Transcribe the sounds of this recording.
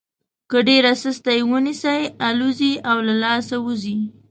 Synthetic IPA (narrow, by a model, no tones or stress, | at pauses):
kəɖeɾasəst̪ajwənisajaluziawlalɑsawuzi